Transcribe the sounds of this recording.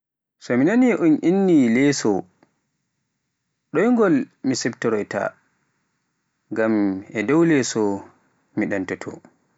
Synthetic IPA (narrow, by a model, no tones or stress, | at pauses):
sɔminaniʔɔnʔinːilɛsɔ | ɗɔjŋɡɔlmisɛbtɔɾɔjta̰ | ŋɡamɛdɔwlɛsɔ | miɗantɔtʰɔ̰